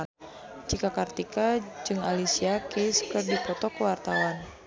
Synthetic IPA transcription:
d͡ʒikakart̪ikad͡ʒɨŋalisiakeskɨrdipɔt̪ɔkəwart̪awan

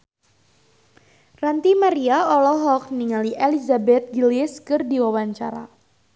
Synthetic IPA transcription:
rant̪imaɾiaɔlɔɦɔk̚niŋaliʔelizabɛt̪̚ɡilɪskɨrdiwawaɲt͡ʃa̰ɾa̰

